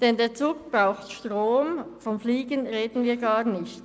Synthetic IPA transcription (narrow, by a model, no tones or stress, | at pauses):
d̥ɛndeːɐt͡suːk̚b̥ʁaʊxtʃtʁoːmfɔmfliːɡənʁeːdn̩viːɐɡaːɐnɪçt